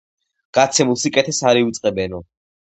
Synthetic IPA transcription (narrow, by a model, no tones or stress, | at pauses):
ɡ̥at̪sʰɛmulˠsikʼɛt̪ʰɛsaɾiut̪sʼqʼɛbɛnɔ